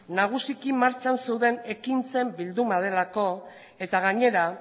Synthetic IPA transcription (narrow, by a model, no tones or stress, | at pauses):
naɣ̞usikimaɾt͡sanse̞wðe̞ne̞kint͡se̞mbild̪umað̞e̞lako̞ | e̞t̪aɣ̞aɲe̞ɾa